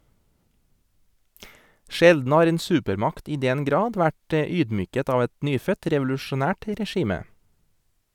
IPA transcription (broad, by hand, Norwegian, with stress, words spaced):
ˈʃɛldn̩ ˈhɑːɾ ˈeːn ˈsʉːpəɾˌmɑkt ˈiː ˈdɛn ˈɡɾɑːd ˈʋæʈ ə ˈyːdˌmyːkət ˈɑːʋ ˈɛt ˈnyːfœt ɾɛʋʊlʉʃʊˈnæːʈ ɾɛˈʃiːmə